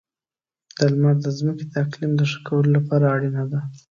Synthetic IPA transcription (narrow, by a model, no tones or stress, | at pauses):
d̪̥əlmaɾd̪əzməked̪əaqlimd̪əʂḁkawəlolapɑɾaːɽinad̪a